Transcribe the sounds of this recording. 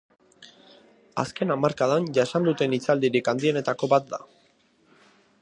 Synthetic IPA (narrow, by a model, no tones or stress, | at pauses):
a̰ske̞namaɾkaðanʝaesand̪ut̪e̞nit͡sald̪iɾikand̪ie̞ne̞t̪ako̞βat̪̚d̪a̰